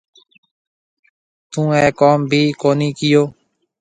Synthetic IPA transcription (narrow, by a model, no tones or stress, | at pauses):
t̪ũːɛ̃ːkoːmbʱiːkoːniːkɪjoː